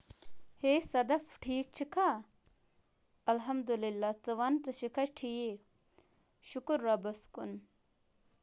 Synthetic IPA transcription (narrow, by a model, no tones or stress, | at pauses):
heːsɐd̪ɐfʈʰiːk̚t͡ʃʰikʰa | ɐlɦɐmd̪ulilːat͡sɨʋɐnt͡sɨʃikʰɐʈʰije | ʃukuɾːɐbɐskun